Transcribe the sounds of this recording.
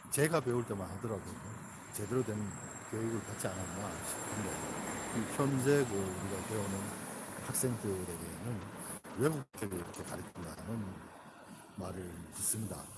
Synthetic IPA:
t͡ɕe̞ɡape̞uɭt͈e̞manhadʌɾaɡono | t͡ɕe̞deɾodwenɯn | kjoiɡɯɭpat͡ɕ͈ianananɕʰi̥kɯndeiçʰjʌnsʰe̞ɡɯɭuɾiɡatweonɯnhak̚s͈e̞ŋtʰɯɾe̞ɡe̞nɯnwe̞ɡuk̚t͈ʰeɡeiɾʌkʰe̞ka̰ɾitʰɯndanɯn | maɾɯɭis͈ɯmɲida̰

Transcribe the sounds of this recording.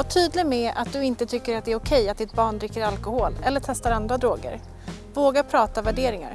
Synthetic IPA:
aʈʰyːd̪lɪɡmɛa̰t̪̚d̪ɵɪnt̪ət̪ʰʏkːəɾat̪d̪ɛæɾʊkʰɛjːat̪̚d̪ɪt̪̚bɑːɳd̪ɾɪkːəɾalkʊhoːlɛlːəʈʰɛst̪aɾand̪ɾad̪ɾoːɡə̰ɾ | voːɡapʰɾɑːt̪avæɖeːɾɪŋa̰ɾ

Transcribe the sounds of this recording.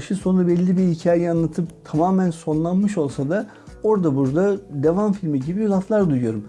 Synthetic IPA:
ʃɯso̞nabɛlʲːibihicʰaːjɛanlˠat̪ʰɯpt̪ʰamaːmænso̞nlˠanmɯʃo̞lˠsad̪a | o̞ɾd̪abuɾd̪ad̪evamfilʲmiɟibiblˠaslˠaɾd̪ujujo̞ɾum

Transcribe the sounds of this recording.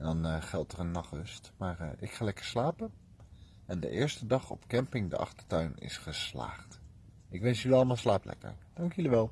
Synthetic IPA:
ɛndɑnəχɛlˠtərənːɑχəstmaːrɪkχaːlɛkəɹslaːpən | ɛndə̰ʔɪːɹstədɑχɔ̰pkɛmpɪŋdə̰ʔɑ̰χtəɹtœɥnɪ̰sχəsla̰ːχt | ɪkʋɛnsyliɑlˠəmalˠslaːplɛ̰kə̰ɹd̥ɑŋkjələʋɛlˠ

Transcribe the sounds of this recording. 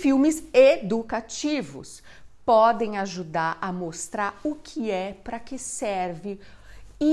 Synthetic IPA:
fiwmɪzed̪ukat͡ʃivʊ̰s | pɔd̪ẽj̃aʒud̪aɾɐmost̪ɾaɾʊkʰɪɛpɾɐkɪsɛɾvɪ | i

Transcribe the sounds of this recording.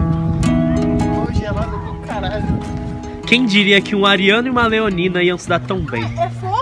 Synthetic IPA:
oʒɛlad̪ʊkõkaɾaʎʊ | kẽj̃d͡ʒiɾiɐkʰɪũaɾiɐ̃nʊiũmɐleonĩnɐiɐ̃w̃sid̪aɾt̪ɐ̃w̃bḛ̃j̃

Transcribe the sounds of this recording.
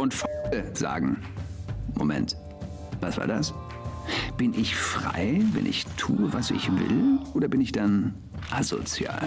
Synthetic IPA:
ʊntfaləz̥a̰ːɡŋ̩ | momɛ̰nt | vasv̥a̰ːɐdas | b̥ɪnʔɪçfʁ̥a̰ɪvɛ̰nʔɪ̰çtʰuːəvasɪ̰çvɪ̰lʔoːdɐbɪnɪçd̥an | ʔazo̰t͡sja̰ːl

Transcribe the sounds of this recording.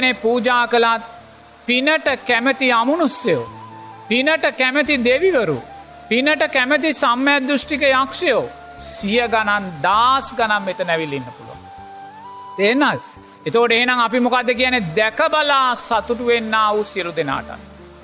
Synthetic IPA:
nepuːd͡ʒaːkəlat̪ | pinəʈəkæmet̪iamunusːejo̰pinəʈəkæmet̪id̪eʋiʋəɾṵ | pinəʈəkæmət̪̬isamːəjad̪d̪ːusʈikejakʂejo | sijəɡanand̪aːsɡanamːet̪ənɛʋilːinːəpulṵʋa̰ŋ | t̪eːnːaːl | et̪oːɖeɦenaŋapimukad̪ːək̬ijanːed̪ɛkəbalaːsat̪uʈuʋenːaːʋusiəlud̪ena̰ːʈa̰t̪

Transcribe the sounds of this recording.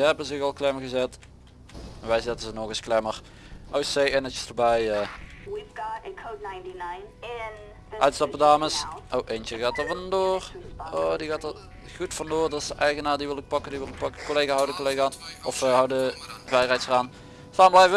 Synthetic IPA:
əɦɛbənzɪɣɑlˠklɛməɣəzɛt | ɛnʋɛjzɛtənzənɔɣəsklɛmər | ʔowsejɪnət͡ʃəsdəbɛjəwivɡɔtɪ̃kʰoʊd̚ⁿnãɪ̃ntinãɪnɪn | œɥtstɔpədaːməsʔowʔent͡ʃəɣaːtəvɑndoːroːdiɣaːtər | ɣutfɑndoːrdɑtɪsəʔɛjɣənaːɹdiʋɪlˠɪk̚pɑkəndiʋɪlˠɪk̚pɑkəkːoleːɣaɔwdəkolejɣanʔɔfəɦɑwdəvɛjrɛjtsəraːn | saːmblɛjvə

